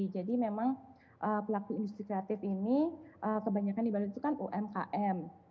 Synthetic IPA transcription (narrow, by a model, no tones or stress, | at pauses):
d͡ʒadimemaŋ | ʔəːpəlakuindust̪ɾikɾeɛat̪ɪfiniʔəkəbaɲakandibaluit̪ukanoʔɛmka̰ʔɛm